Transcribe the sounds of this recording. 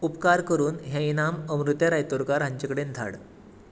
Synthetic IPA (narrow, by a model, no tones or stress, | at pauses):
upkaɾkəɾuːnɦjãinaməmɾut̪jaɾajt̪oɾkaɾɦãɲt͡ɕekəɽend̪ʱa̰ɽ